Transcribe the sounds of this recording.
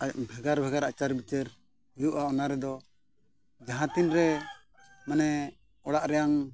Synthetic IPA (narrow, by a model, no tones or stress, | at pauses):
abʱɛɡaɾbʱɛɡaɾat͡ʃaɾbit͡ʃɛɾ | hɛjuʔaɔnaɾɛd̪ɔ | d͡ʒaɦãt̪inɾɛ | manɛ | ɔɽaʔɾɛjaŋ